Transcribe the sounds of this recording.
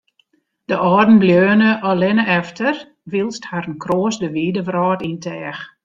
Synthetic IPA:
d̥əʔɔːdn̩bljøːnəʔɔlɪnəɛftər | ʋilˠsthaɾənkroːəsdəʋiːdəvrɔːtintʰɛːx

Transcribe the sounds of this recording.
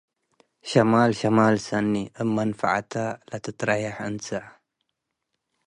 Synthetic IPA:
ʃamaːlʃamaːlsanːiʔəmːanfa̰ʕat̪ʰalat̪ɨt̪ɾɑjaħʔənsaʕ

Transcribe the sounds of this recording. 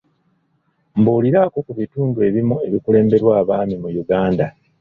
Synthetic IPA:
mbuːliɾaːko̞kuβituːndue̞βimue̞βikule̞ːmbe̞ɾwaːβaːmimujuɡaːnda

